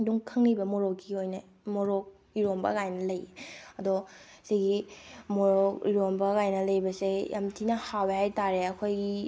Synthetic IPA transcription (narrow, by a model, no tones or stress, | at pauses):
duŋkʰɐŋnibɐmoɾok̚ɡiojnɐ | moɾok̚ | iɾombɐ̰ɡajnɐlɐjeɐdɔ | seɡimoɾok̚iɾombɐɣajnɐlɐjbɐsejʔa̰mtʰinɐhawbehajtaɾeɐkʰojɡi